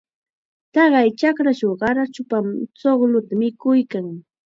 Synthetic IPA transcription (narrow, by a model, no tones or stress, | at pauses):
t̪ɑɢɑjt͡ʃakɾat͡ʃowɢɑɾat͡ʃʊpamt͡soχlʊt̪amɪkʊjkaŋ